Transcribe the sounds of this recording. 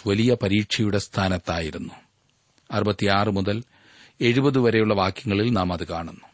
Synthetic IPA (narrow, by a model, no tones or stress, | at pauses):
ʋɐlijɐpɐɾiːʈʂɐjuɽe̞st̪ʰaːnɐt̪ːaːjiɾunːu | ɐrubɐt̪ːijaːrɨmuðɐl | e̞ɻubɐðɨʋɐɾe̞juɭːɐʋaːkjɐŋːɐɭilnaːmɐðɨkaːɳunːu